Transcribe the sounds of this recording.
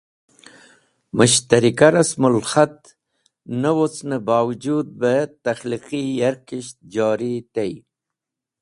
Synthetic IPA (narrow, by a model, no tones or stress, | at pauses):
məʃt̪aɾikaɾasmʊlxat̪̚ | nəwot͡snəbɑːwd͡ʒud̪̚bət̪axliqijaɾkiʃt̪̚d͡ʒɑːɾit̪ej